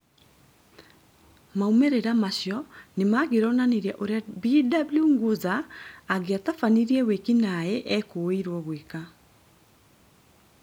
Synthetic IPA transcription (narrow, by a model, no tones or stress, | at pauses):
maumeɾeɾamaɕjɔnemaɣeɾɔnaneɾaʔoɾeabidabljuŋɡozaːɣeatafaniɾiɛwekinaɛʔɛkoiɾwɔɣweka